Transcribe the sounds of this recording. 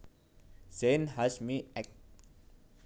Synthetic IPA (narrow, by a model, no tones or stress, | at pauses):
z̥ẽnhasmiɛk̚t